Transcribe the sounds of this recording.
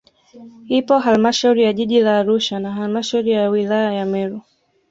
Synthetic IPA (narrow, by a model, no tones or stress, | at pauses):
hipɔɦalmaʃauɾijaʄiʄilaːɾuʃanaɦalmaʃauɾijawilajajamɛɾu